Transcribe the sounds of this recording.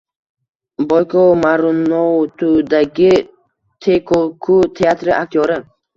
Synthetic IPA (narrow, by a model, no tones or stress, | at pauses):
bɔjkʰɔmaɾunɔt̪ʰud̪aɡʲi | t̪ʰekʰokʰut̪ʰeat̪ɾɪak̚t̪ʰjɔɾɪ